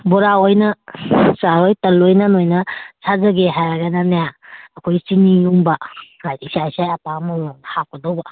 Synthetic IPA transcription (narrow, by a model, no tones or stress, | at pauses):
bɔɾaojnɐsaɾojtɐlojnanojnɐsʰazɐɡeɦajaɡananajaəkʰojsiniuŋbaɾajtisajsajapamɔwɔŋhaw̚kʰɔdowba